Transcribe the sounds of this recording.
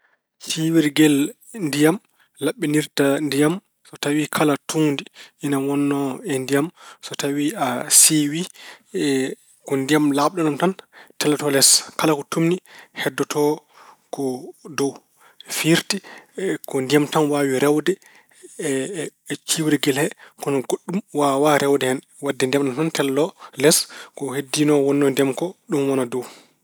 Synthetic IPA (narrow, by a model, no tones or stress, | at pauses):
t͡ʃiwiɾɡɛl | ndijam | laɓːiniɾtandijam | sɔtawikʰalatʰundiʔinawɔnːɔɛndijamsɔtawiasiwi | kɔndijamlabɗɔnamtantɛlɔtɔlɛskalakɔtumnihɛdːɔtʰɔ | kɔdow | fiɾtikɔndijamtanwaːwiɾʔɛwdɛ | t͡ʃiwɾiɡɛlhɛkɔnɔɡoɗːumwawaɾɛwdɛhɛn | wadːɛndiamɗɔntɔntɛlːɔlɛskɔhedːinɔwɔnːɔndɛmkɔɗumwanadow